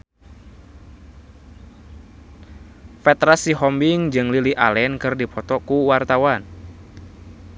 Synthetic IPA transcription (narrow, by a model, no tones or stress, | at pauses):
fɛt̪ɾasiɦɔmbiŋd͡ʒɨŋliliʔalɛnkɨrdipʰɔt̪ɔkuwart̪awan